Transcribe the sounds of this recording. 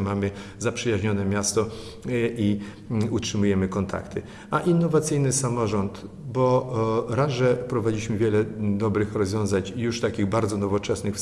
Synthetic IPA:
mamɘ | zapʂɘjaʑɲɔnɛmʲjast̪ɔ | i | utʂɘmujɛmɘkɔnt̪ʰa̰kt̪ʰɘ | aʔinːɔvat̪sɘjnɘsamɔʐɔnt̪ | bɔɾaʐɛpɾɔvad͡ʑiɕmɘvʲjɛlɛd̪ɔbɾɘxɾɔzvʲjɔ̃w̃zaɲjuʂt̪akʲiɣbaɾd̪zɔnɔvɔt͡ʂɛsnɘxf

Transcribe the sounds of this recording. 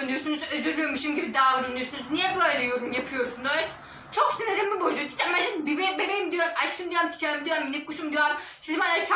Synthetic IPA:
nd̪yjoɾsunuzøzyɾdʲømiʃimɟibid̪aːuɾund̪ujosunuznijɛbøjlʲɛjoɾumjapʰɯjo̞ɾsund̪os | t͡ʃʰoksineɾimbibozujt͡ʃ̪ʰi̥t̪ʰːamad͡ʒɯnbibebemejimd̪ijoɾumaʃkʰɯnd̪ijoɾmt͡ʃ̪ʰi̥t͡ʃʰaɾɯmd̪ijoɾumnʲikʰuʃumd̪ijoɾm | sizmanaɾt͡ʃʰa

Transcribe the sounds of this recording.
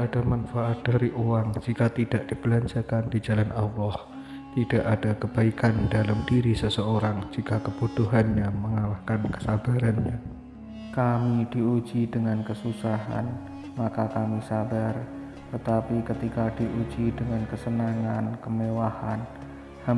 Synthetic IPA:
adamanfaʔat̪̚d̥aɾiʔuwaŋd͡ʒikat̪idaʔd̥ib̥əlaɲt͡ʃakandid͡ʒalanɑlːɔh | t̪id̥aʔadakəb̥aikandalamdiɾisəsəoɾaŋd͡ʒikakəb̥ut̪uɦanɲaməŋalahkankə̥sab̥aɾanɲa | kamid̥iud͡ʒidəŋankəsusaɦa̰n | makakamisabar | t̪ət̪apikət̪ikad̥iʔud͡ʒidəŋankəsənaŋankəmewahan | ha

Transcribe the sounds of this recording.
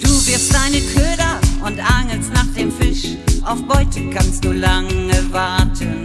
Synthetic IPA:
d̥uːvɪɐst̚d̥aɪnəkʰøːdɐʔʊntʔaŋəlstnaːχd̥eːmfɪʃ | ʔaʊfb̥ɔʏtəkʰanst̚d̥uːlaŋəvaɐtʰən

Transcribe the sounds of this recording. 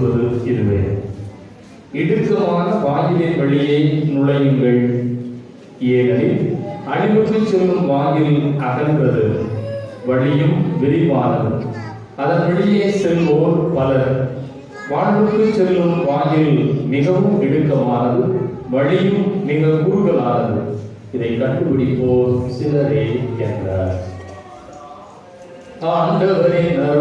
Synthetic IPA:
ɾɐðɯɪɾɯʋḛː | ɪɽɯkːɐmaːɣɐʋaːjɪlɐnʋɐɭɪjɐɪnʊɭɐjɯŋɡɐɭ | eːnɐɾɪʔɐɳɪʋɐʈːɯt͡ʃːɛlːɯmʋaːjɪɾɪlɐɣɐnɡɯrɐðɯ | ʋɐɭɪjɯmʋɪɽɪpaːɾɐðɯ | ɐðɐnʋɐɽɪjeːsɛlʋoːɾpɐlɐɾ | ʋaːɳʋɯʈ̪ːɯt͡ʃːɛlːɯmʋaːjɪlnɪɣɐʋɯmɪɽɯkːɐmaːnɐðɯʋɐɻɪjɯmniːŋɡɐɭkuːɻʊɣɐɭaːnɐðɯ | ɪðɐɪkːɐʈːɯpɪɽɪpːoːɾsɪlɐɾeːɛndra̰ːɾ | aːɐndɐɐʋɐɐɾeːnɐ

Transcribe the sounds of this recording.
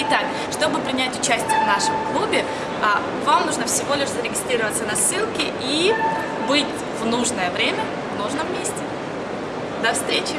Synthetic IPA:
ɪt̪ak | ʂt̪o̞bɨpɾʲɪnʲætʲʊt͡ɕæsʲtʲɪjəvnaʂɨmklˠubʲɪ | vamnuʐnəfsʲɪvo̞lʲɪʂzəɾʲɪɡʲɪst̪ɾʲiɾəvət̪sənɐsːɨlˠkʲɪʔi | bɨtʲ | vnuʐnəjəvɾʲemʲə | vnuʐnəmmʲesʲtʲɪ | d̪ɐfst̪ɾʲet͡ɕɪ

